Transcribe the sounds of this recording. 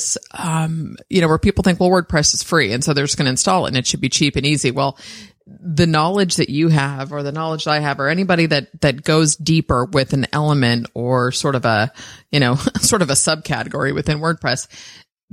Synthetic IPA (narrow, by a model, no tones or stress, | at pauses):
sʌ̃mjʔɨñoʊwə˞pipl̩ˠθɪ̃ŋkwɛlˠwɜ˞d̚pʰɹ̥ɛsɨz̥fɹiɨ̰̃nsoʊðə˞zɡ̥ʌnɨɨ̃nstɔlˠə̰̃nɨtʃɨd̚bit͡ʃʰipɨ̃niziwɛlˠ | ðɨnɑlˠɨd͡ʒðɨt͡ʃɨəvə˞ðɨnɑlˠəd͡ʒaɪɨvə˞ɛñibɑɾiðɨt̪̚ðɨt̚ɡ̥oʊzdipə˞wɪðɨ̃n̩ɛ̰lˠəmɨ̃ntə˞sɔɹɾʌvəjɨñoʊsɔɹɾʌvɨsʌb̚kʰæ̰ɾɨɡɔɹiwɨ̰θɪ̃nwɜ˞d̚pʰɹ̥ɛs